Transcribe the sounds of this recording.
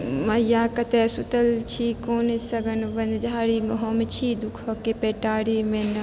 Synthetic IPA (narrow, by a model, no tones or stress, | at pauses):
mɐjaːkɐt̪eːsut̪ɐlt͡ʃʰiːkoːnesɐɡɐnʋɐnd̪d͡ʒʱaːɽiːmɐɦoːmet͡ʃʰiːd̪ukʰokepeːʈaːɽiːmen